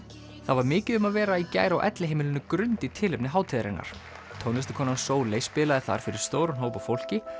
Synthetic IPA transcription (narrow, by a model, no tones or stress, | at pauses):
θavaɾmɪːcɪðʏmaðvɛːɾaica̰ːjɾawʔɛ̰t̪lɪɦeːjmɪlɪnːʏkɾʏnt̪it̪ʰɪːlɪpnɪɦaːwt̪ʰɪðɾɪ̰na̰ɾ̥ | t̪ʰownɛst̪ɪ̥kʰɔːnansoːwleːjspɪːlaðɪθa̰ɾ̥fɪɾɪɾ̥st̪oːwɾʏnɦoːwpafowl̥cɪ